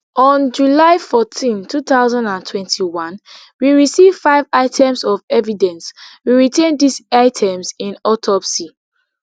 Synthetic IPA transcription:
ɔ̃nd͡ʒulaɪfɔtʰĩntʰutaʊzãndãntʰwɛ̃ntʰiwãn | wiɹisiv̥faɪvaɪtʰɛ̃msɔvɛvidɛ̃nswiɹitʰẽndisaɪtʰɛ̃msĩnɔtʰɔpsi

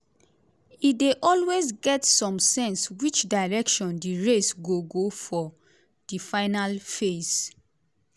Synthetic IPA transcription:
ideʔɔlwezɡɛtsɔ̃msɛ̃nswit͡ʃdaɪɹɛkʃɔ̃ndiɹesɡoɡofɔ | d̥ifaɪnalfez

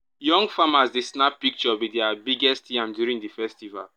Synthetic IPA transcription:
jɔ̃ŋɡfamazdisnapːik̚t͡ʃɔbidɛabiɡɛstjãmdjuɹĩŋdifɛstiva̰l

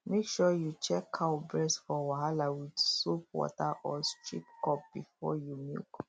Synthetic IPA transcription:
mekʃɔjut͡ʃɛkʰːaʊbɹɛsfɔwaɦalawidsop̚wɔ̰taʔɔstɹḭpkɔp̚b̥ifɔjumḭlk

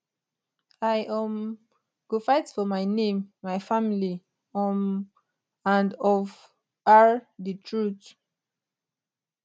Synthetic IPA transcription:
ajʔãm | ɡ̥ofaɪtfɔmaɪnẽmːajfamili | ɔm | ãndɔv | aɹdətʰɹut

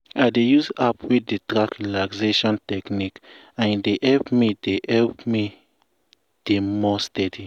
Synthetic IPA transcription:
aɪdejusapwedetɾakɾilakseʃɔ̃ntɛknik | ãndeʔɛlpmideɛlpmi | d̥emɔstɛdi

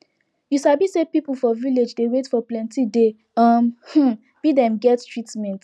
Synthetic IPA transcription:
jusabisepipl̩fɔviled͡ʒdewetfɔplɛ̃ntide | ʌmh̩ | b̥idɛ̃mɡɛttɹitmɛ̃nt

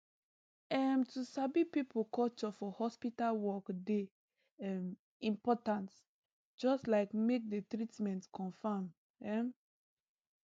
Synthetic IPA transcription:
ɛmtusabipipulkɔt͡ʃɔfɔhɔspitalwɔkde | ɛm | ĩmpɔtãnt | d͡ʒɔstlaɪkmek̚detɾitmɛ̃ntkʰɔ̃nfam | ɛm

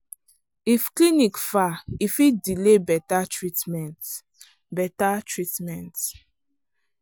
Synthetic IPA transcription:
ifklinikfaifidilebɛtatɹitmɛ̃nt | bɛtatɹitmɛ̃nt

